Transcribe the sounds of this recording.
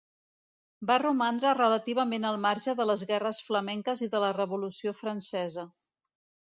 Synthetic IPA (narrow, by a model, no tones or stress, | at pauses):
barumand̪ɾərələt̪iβ̞əmenəlˠmaɾʒəðələzɣɛrəsfləmɛŋkəziðələrəβulusiofɾənsɛzə